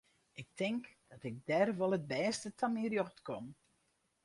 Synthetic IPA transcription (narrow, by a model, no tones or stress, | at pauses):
ʔɪk̚tɪŋkd̥ɔtɪk̚dɛrʋɔlˠəd̚bɛːstətʰɔnmirjoxtkom